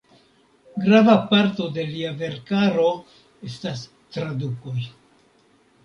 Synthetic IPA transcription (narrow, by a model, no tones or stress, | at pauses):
ɡɾavapaɾto̞de̞liave̞ɾkaɾo̞ | e̞stas | tɾadukoj